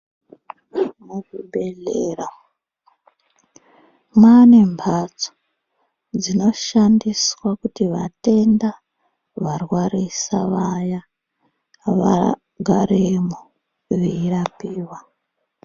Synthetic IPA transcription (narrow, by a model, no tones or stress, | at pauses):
mukube̞ɮeːra | manembʰʱat͡so̥ | d͡zino̞ʃandiswakutiʋate̞nda | ʋarwarisa̰ʋaja | ʋa̰ | ɡʱaremu | ʋeirapiːwa